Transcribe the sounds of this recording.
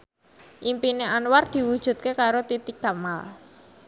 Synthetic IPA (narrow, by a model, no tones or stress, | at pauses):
ʔimpineʔanward̪̥i̤wud̥ʒ̥ṳt̪̚kekaɾot̪it̪iɡ̥a̤mal